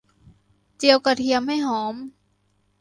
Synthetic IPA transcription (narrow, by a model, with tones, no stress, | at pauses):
t͡ɕi˧əwka˧˩t̪ʰi˧əmha˥˩jɦɔː˩˦m